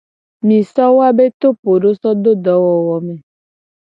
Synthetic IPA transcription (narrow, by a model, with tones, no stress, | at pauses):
mĩ˨sɔ˦wo˦a˦be˦t̪o˦po˨ɖo˦sɔ˦d̪o˦d̪ɔ˨˦wɔ˨wɔ˨mẽ˨